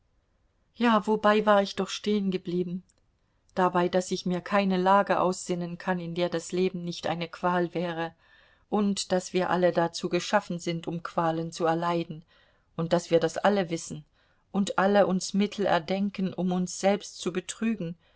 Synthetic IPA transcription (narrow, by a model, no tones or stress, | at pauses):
jaːvobaɪvaːɐɪçd̥ɔχʃteːənɡəbliːbm̩ | d̥abaɪdasɪçmiːɐkʰaɪnəlaːɡəʔa̰ʊsz̥ɪnənkʰanɪndeːɐdasleːbm̩nɪçtʔa̰ɪnəkv̥aːlvɛːʁə | ʔʊntd̥asv̥iːɐʔa̰lədat͡suːɡəʃafn̩zɪntʰʊmkʰv̥aːlənt͡suɛɐlaɪdn̩ | ʔʊnt̚d̥asv̥iːɐdasʔaləvɪsn̩ | ʔʊntʔaləʔʊnsmɪtʰl̩ɛ̰ɐdɛŋkənʔʊmʊnsz̥ɛlpstt͡subətʁ̥yːɡŋ̩